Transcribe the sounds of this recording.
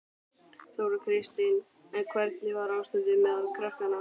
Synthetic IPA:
θoːwɾʏkʰɾɪst̪ɪn | ɛnkʰvɛɾt̪nɪvaɾaːwst̪ʏðɪmɛðalkʰɾahkana

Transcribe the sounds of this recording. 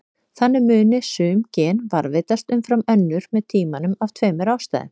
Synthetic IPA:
θanːɪmʏːnɪsʏːmcɛːnvaɾvɪt̪ast̪ʏmfɾamœnːʏɾ̥mɛðt̪ʰiːmanʏmavt̪ʰvœːmɪɾaːwst̪a̰ːðɪ̰m

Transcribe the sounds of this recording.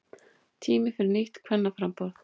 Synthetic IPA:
t̪ʰiːmɪfɪɾɪɾnɪht̪kʰvɛnːafɾampɔɾθ

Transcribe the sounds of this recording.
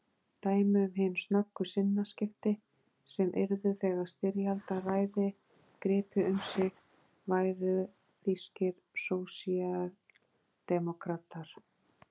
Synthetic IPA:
t̪aːjmʏʏmɦɪnsnœkːʏsɪnːascɪft̪ɪ | sɛmʔɪ̰ɾðʏθɛːɣḁst̪ɪɾjalt̪araːjðɪ | kɾɪːpʏʏmsɪɣ | vaːjɾʏ | θiscɪɾ̥ | sowsial | d̪̥ɛmɔkɾaːt̪aɾ̥

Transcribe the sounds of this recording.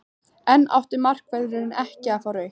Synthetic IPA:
ɛnːʔa̰wht̪ɪmar̥kvɛðɾɪnɪnɛhcɪafawɾœjh

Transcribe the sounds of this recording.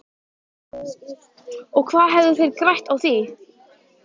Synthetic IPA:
ɔɣkʰvaːðɦɛvðʏθɪɾkɾajht̪awθi

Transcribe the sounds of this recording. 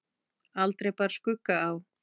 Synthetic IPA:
alt̪ɾejpaɾ̥skʏkːaaw

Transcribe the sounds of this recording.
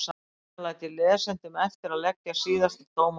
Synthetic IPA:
sa | lajt̪ʰɪlːɛːðsɛnt̪ʏmɛft̪ɪɾaðlɛcjasiːðast̪ɪt̪ʰoːwm

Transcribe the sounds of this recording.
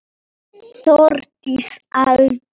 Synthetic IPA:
sɔrtisal

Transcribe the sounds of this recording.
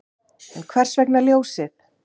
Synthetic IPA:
ɛnkʰvɛr̥svɛknaljoːwsɪð

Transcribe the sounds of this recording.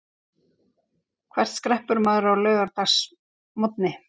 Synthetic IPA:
kʰvɛr̥t̪skɾɛhpʏɾmaːðɾawlœːɥɣaɾt̪as | mɔt̪nɪ

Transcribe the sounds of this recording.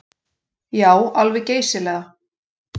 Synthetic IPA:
jaːwalvɪceːjsɪlɛːɣa

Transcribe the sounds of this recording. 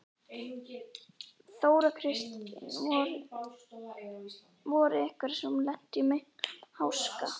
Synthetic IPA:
θoːwɾakʰɾɪst̪nɾ | vɔɾʏɛhkvaɾ̥sɛmlɛn̥t̪ɪmɪhawska

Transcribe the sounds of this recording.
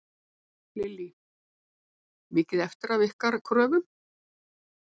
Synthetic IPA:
lɪlːi | mɪːcɪðɛft̪ɪɾavɪhkaɾkʰɾœːvʏm

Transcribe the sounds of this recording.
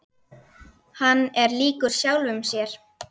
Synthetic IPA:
hanːɛɾliːkʏɾ̥sjawlvʏmsjɛɾ̥

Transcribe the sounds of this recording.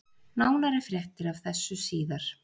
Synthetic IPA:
naːwnaɾɪfɾjɛht̪ɪɾav̥θɛsːʏsiːðaɾ̥

